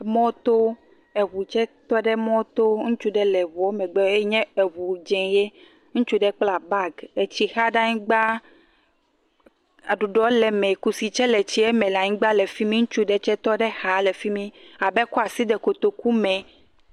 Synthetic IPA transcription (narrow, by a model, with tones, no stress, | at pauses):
mɔ̃˦t̪o˦ | ɛ˨wu˨t͡ʃɛ˦t̪ɔ˦ɖɛ˦mɔ̃˦t̪o˦ŋũ˦t͡ʃu˦ɖɛ˦lɛ˨vɔ˨o˦mɛ̃˨ɡ͡bɛ˦e˦ɲɛ̃˦e˨βu˨d͡ʒɛ̃˨je˦ | ŋũ˦t͡ʃu˦ɖɛ˦k͡pla˨ba˦ɡe˨t͡ɕi˨xa˦ɖa˦ɲĩ˦ɡ͡ba˦ | a˨ɖu˨ɖɔ˦lɛ˨mɛ̃˨ku˦si˨t͡ʃɛ˦lɛ˨t͡ɕi˦ɛ˦mɛ̃˨la˨ɲĩ˦ɡ͡ba˦lɛ˨fi˦mĩ˦ŋũ˦t͡ʃu˦ɖɛ˦t͡ʃɛ˦t̪ɔ˦ɖɛ˦ha˨lɛ˨fi˦mĩ˦a˨bɛ˦ku˦a˨si˦d̪ɛ˨ko˨t̪o˨ku˦mɛ̃˨